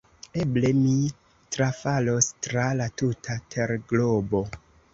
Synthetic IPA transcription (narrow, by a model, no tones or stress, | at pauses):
eble̞mi | tɾafalo̞stɾalatutʰatʰe̞ɾɡlobo̞